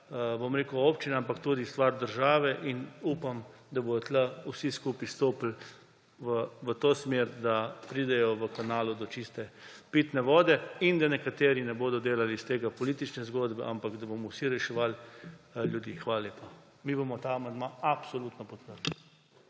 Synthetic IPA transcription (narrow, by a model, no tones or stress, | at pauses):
bomɾeːkəʊoːpt͡ʃinaampakt̪uːd̪ist̪ʋaɾd̪əɾʒaːʋɛʔinuːpam | d̪abod̪ɔt̪lausiskuːpist̪oːpl̩ | ʋəʋət̪oːsmeɾd̪apɾiːd̪ɛjɔʋəkanaːlud̪ɔt͡ʃist̪ɛpit̪nɛʋɔːd̪ɛind̪anɛkat̪eːɾinɛboːd̪ɔd̪eːlalist̪eːɡapɔliːt̪it͡ʃnɛzɡoːd̪bɛ̰ʔampakd̪abomɔwsiɾɛʃɛʋal | ljud̪iːxʋaːlaleːpa | mibomɔt̪amɐnd̪maapsɔlut̪nɔpɔt̪̚pəɾd̪i